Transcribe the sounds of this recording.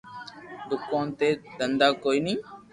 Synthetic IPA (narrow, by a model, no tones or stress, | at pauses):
d̪ʊkaːnt̪eːd̪ənd̪aːkoːiːnĩː